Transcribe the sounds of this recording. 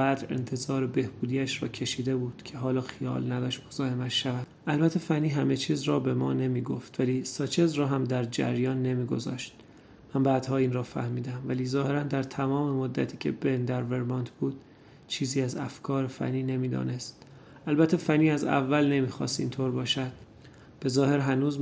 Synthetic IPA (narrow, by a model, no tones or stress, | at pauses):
bæːd̪ɾe̞̰nt̪ʰe̞zɒːɾe̞be̞hbuːd̪iːæʃɾɒ̰ːcʰe̞ʃiːd̪e̞buːd̪̥cʰe̞ɦɒːlɒːxijɒ̰ːlnæd̪ɒːʃt̪mozɒːhe̞mæt̪ʃævæd̪̥ʔælbæt̪ʰːe̞fænːiːɦæme̞t͡ʃʰiːzɾɒːbe̞mɒːne̞miːɡoft̪væliːsɒt͡ʃʰezɾɒːɦæmd̪æɾd͡ʒæ̰ɾjɒːnːe̞miːɡo̞zɒ̰ːʃt̪̚ | mænbæːd̪̥hɒːiːnrɒːfæ̰hmiːd̪æmvæliːzɒːhe̞ɾænd̪æɾt̪ʰæmɒːme̞mo̞d̪ːæ̰t̪ʰiːcʰḛbend̪æɾve̞ɾmɒːnt̪ʰb̥uːd̪̥̚ | t͡ʃʰiːziːæzæfkʰɒːɾefæ̰nːiːne̞miːd̪ɒ̰ːne̞st̪ | ælbæt̪ʰːe̞fæniːæzæ̰vːælne̞miːxɒ̰ːst̪ḭːnt̪ʰoːɾbɒːʃæd̪̥̚ | b̥e̞zɒːhe̞ɾɦænuːz